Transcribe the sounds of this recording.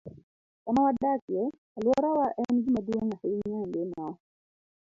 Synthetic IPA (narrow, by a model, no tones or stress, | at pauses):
kamawadakjɛ | alwɔɾawaʔɛnɡimadwoŋahɪɲɔnɡena